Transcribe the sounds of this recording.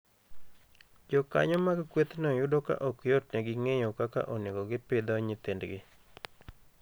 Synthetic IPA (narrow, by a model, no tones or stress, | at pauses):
d͡ʒɔka̰ɲɔmaɡkwet̪nɔjʊdoka̰ʔɔkjot̚nɛɡɪŋejokaka̰ʔɔnekɔɡɪpɪd̪ɔɲɪt̪endɡɪ